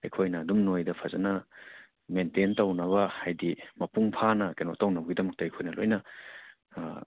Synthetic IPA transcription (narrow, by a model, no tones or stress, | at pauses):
ḛjkʰojnɐːdumnojdɐpʰazɐ̰nɐ | mententɐwnɐβɐhajdimɐpuŋpʰanɐkenotawnɐbɐɡidɐmɐk̚tɐejkʰojnɐlo̰jnɐ